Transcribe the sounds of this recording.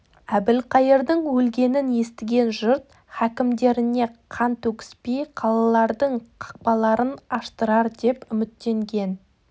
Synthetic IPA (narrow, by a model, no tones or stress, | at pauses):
æbɪlqʰɑjəɾd̪əɴwɵlɡʲe̞nɪnje̞st̪ɪɡʲe̞nʒʊɾt̪ | χækʲɪmd̪e̞ɾɪne̞qʰɑnt̪ʰɵkʲɪ̥spejqʰɑlˠɑlˠɑɾd̪əɴqʰɑ̥q̚pɑlˠɑɾənɑʃt̪əɾɑɾd̪e̞pʏmɪt̪ːe̞ŋɡʲe̞n